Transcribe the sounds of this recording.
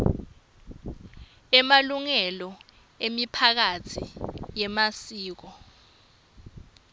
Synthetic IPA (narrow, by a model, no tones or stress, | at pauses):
ɛmaluŋɛlɔ | emipʰak̬atʰijɛmasiːk̬ɔ